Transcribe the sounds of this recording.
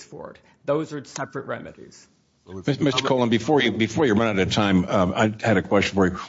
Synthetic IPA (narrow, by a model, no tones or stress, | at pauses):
sfɔ̰ɹt | ðoʊzə˞sɛpɹɨt̚ɹɛ̰mɨ̰ɾḭz̥ | mɪmɪstə˞kʰoʊlˠə̃nbɨfɔɹjɨbɨfɔɹjəɹʌ̃ñɨɾɨɾɨtʰãɪ̃ma̰ɪhɨɾɨkʰw̥ɛst͡ʃn̩fə˞j